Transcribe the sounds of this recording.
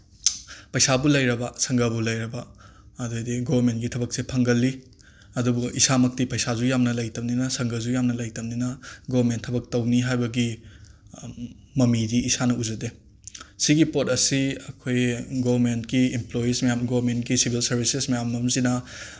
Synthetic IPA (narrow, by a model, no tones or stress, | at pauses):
pɐjsabulɐjɾɐbasɐŋɡɐbulɐjɾɐbɐ | ɐdudiɡobɐɾmentɡitʰɐbɐk̚sepʰɐŋɡɐlːi | ɐdubuisamɐk̚tipɐjsazujamnɐlɐjtɐmninɐsɐŋɡɐzujamnɐlɐjtɐmninɐɡobɐɾmentʰɐbɐk̚tɐwniɦajbɐɡi | mɐmidiisanɐuzɐde | siɡipotɐsiɐkʰojɡobɐmentɡiimplojismɐjamɡobɾmentɡisibʱilsɐɾbʱisesmɐjamɐmzinɐ